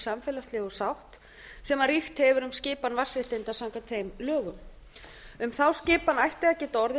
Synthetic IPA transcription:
samfɛːlast̪lɪːɣɔsawht̪ | sɛmarixt̪hɛvʏɾʏmscɪːpanvar̥sɪht̪ejnt̪asawŋkat̪θejmlœːɣʏm | ʏmθawscɪːpanajht̪lɛacɪt̪ɔɾðɪ

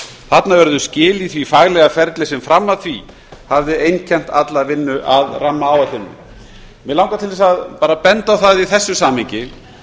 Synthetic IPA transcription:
θat̪navɛɾðʏscɪːliθvifaɣlɛɣafɛɾt̪lɪsɛmfɾamːaðθvi | havðɪejncʰɛm̥t̪at̪lavɪnːʏʔaðramːaawat̪ɪnːɪ̰ | mɛlawŋkat̪ʰɪlvɛsaðpaːɾapɛnt̪awθaðiθɛsːʏsaːmhɪɲcɪ

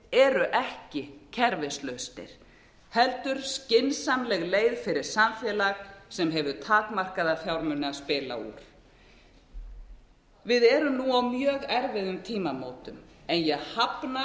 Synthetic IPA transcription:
ɛɾʏʔɛhcɪcʰɛɾvɪslœɥst̪ɪ̰ɾ̥ | hɛlt̪ʏɾ̥scɪnsamlɛɣleːjðfɪɾɪɾ̥samfɛːlaɣsɛmɦɛvʏt̪ʰaːkmar̥kaðaθjawɾmʏnːɪaðspɪːla̰ṵːɾ̥ | vɪðɛːɾʏnuawmjœːɣɛɾvɪðʏmt̪ʰiːmamoːwt̪ʏmɛnjɛɣhapna

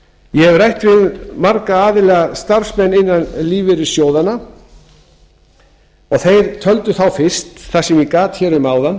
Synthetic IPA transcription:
jɛɛvrajht̪vɪðmaɾkaaːðɪlɛɣast̪ar̥smɛnːɪnːanliːvɪɾɪsjoːwðanːa | ɔɣθejɾt̪ʰœlt̪ʏθawfɪr̥st̪θasɛmjɛkaːt̪çɛːɾʏmaːwðanː

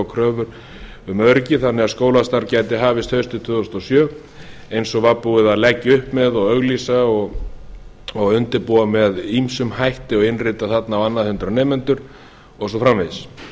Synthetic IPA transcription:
awkʰɾœːvʏɾ̥ | ʏmœɾcɪθanːɛɣaðskoːwlast̪aɾcaːjt̪ɪɦaːvɪst̪hœɥst̪ʏt̪ʰvʏːðɔst̪ɔsjœː | ejnsɔɣvapuɪðaðlɛcːɪʏhpmɛðɔɣœɣlisaɔɣ | ɔɣʏnt̪ɪɾpuːamɛðimsʏmhajht̪ɪɔɣɪnrɪːt̪aθat̪naːvanːaðhʏnt̪ɾanɛːmɛnt̪ʏɾ̥ | ɔsɔfɾamves

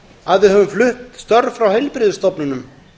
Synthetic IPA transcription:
aðɪɦœvʏmflʏht̪st̪œɾfɾawhɛjlpɾɪːðʏst̪ɔpnʏnʏm

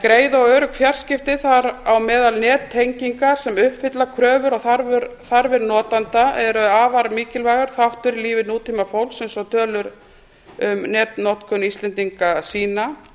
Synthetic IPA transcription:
kɾeːjðɔɣœːɾʏkʰvjar̥scɪft̪ɪθaɾawmɛːðalnɛːt̪ʰːejɲciŋkasɛmʏhpfɪt̪lakʰɾœːvʏɾɔɣθaɾvʏɾθaɾvɛɾnɔːt̪ant̪aʔɛɾʏaːvaɾmiːcɪlvaːɣʏɾ̥θawht̪ʏɾliːvɪnuːt̪imafowlksɛmsɔt̪ʰœːlʏɾ | ʏmnɛːt̪nɔt̪kʰʏnisɛnt̪iŋkasiːna

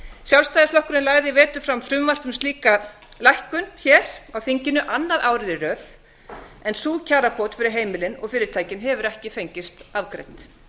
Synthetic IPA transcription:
sjawlst̪ajðɪflɔhkʏɾɪnlaːɣðɪvɛːt̪ʏ̥fɾamfɾʏmvar̥pʏmst̪liːka | lajhkʏnçɛːɾ̥awθiɲcɪnʏʔanːaðaːwɾɪðɪrœːθ | ɛnsuːcʰaːɾapʰɔwt̪fɪɾɪɾ̥ɦeːjmɪlɪnɔ̰ɣfɪːɾɪɾt̪ʰaːjcɪnɦɛvʏɾɛhcɪfejɲcɪst̪aðkɾḛjt̪

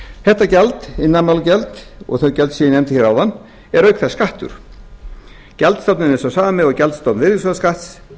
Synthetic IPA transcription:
θɛht̪ːacɛlt̪ɪnːanmawlcɛlt̪ɔ̰ɣθœɥcɛlt̪siːjɪnɛmt̪ɪçɛɾawðanː | ɛɾœɥkθaskaht̪ʏ̰ɾ̥ | cɛlt̪st̪awp̪nɪnɛsɔwsaːmamɛðɔwcɛlt̪st̪owt̪nvɪɾjʏsaðaskaht̪s

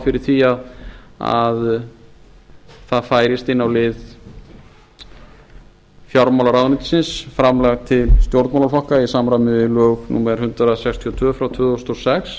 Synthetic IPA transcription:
fɪɾɪɾ̥θiaða̰ð | θaðfaːjɾɪst̪ɪnːawlɪð | fjaɾmawlaɾawɣnɪt̪sɪnsfɾamlɛɣt̪ʰɪlst̪jowɾt̪nmawlalfɔhkaisamɾamɪvɪlœːɣnṵːmɛɾ̥hʏnt̪ɾasɛkst̪ʰiɔt̪ʰvœːfɾawt̪ʰvʏːɣɔst̪ɔsɛks

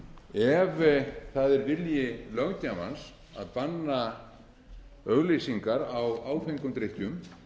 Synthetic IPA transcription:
ɛvθaðɛɾvɪljɪlœɣcama̰ns | a̰ðpanːa | œɣlejsiŋkaɾawaːwfeŋkʏmt̪ɾejht̪jʏm

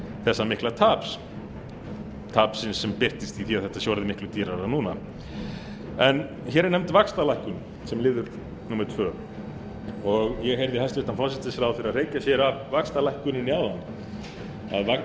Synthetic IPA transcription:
θɛsːamɪhklat̪ʰaːps | t̪ʰaːpsɪnsːɛmpɪr̥t̪ɪst̪iθiaðθɛht̪asjowɾðɪmɪhklʏt̪iːɾaɾanuːna | ɛn | çɛːɾɪnɛmt̪vakst̪alajhkʏn | sɛmlɪːðʏɾ | nuːmɛɾ̥t̪ʰvœː | ɔɣjɛɦejɾðɪhalst̪vɪht̪anfɔsɪt̪ɪsɾawfɪɾareːjcasjɛɾavvakst̪alajhkʏnɪnːiawðanː | a̰ðva

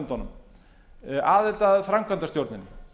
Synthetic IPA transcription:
nt̪ɔnʏm | aːðɪlt̪aðfɾamkʰvant̪ast̪jowɾt̪nɪnːɪ

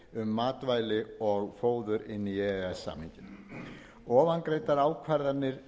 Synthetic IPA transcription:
ʏmːaːt̪vaːjlɪɔɣfoːwðʏɾɪnːiɛɛsːa̰mɪɲcɪn | ɔːvankɾejt̪aɾaːwkʰvaɾðanɪɾ̥

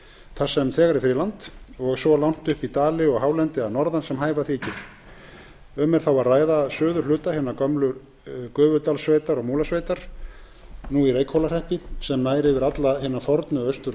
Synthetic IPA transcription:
θasɛmθɛːɣaɾɪfɪɾɪlant̪ɔɣsɔlawn̥t̪ʏhpit̪aːlɪɔɣɦaːwlɛnt̪ɪanɔɾðansɛmhaːjvaθicɪɾ̥ | ʏmːɛɾ̥θawvaɾraːjðasœːðʏɾ̥lʏːt̪ahɪːnːakœmlʏ | kœːvʏt̪alsveːjt̪aɾɔɣmuːlasveːjt̪aɾ̥ | nuiɾeːjkhowlar̥ɛhpɪsɛmnaːjɾɪvɪɾat̪lahɪnːaɾfɔɾt̪nʏœɥst̪ʏɾ

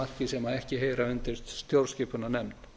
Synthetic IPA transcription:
ar̥cɪsɛmaðɛhcɪɦeːjɾaʏnt̪ɪɾ̥st̪st̪jowɾscɪːpʏnanɛmn

